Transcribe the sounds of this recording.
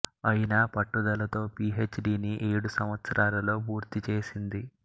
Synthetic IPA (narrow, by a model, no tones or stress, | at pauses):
ɐjinaːpɐʈːud̪ɐlɐt̪o̞ːpiːɦet͡ʃɖiːniʔe̞ːɽusɐmʋɐt̪sɐɾaːlɐlo̞ːpuːɾt̪it͡ʃe̞ːsind̪i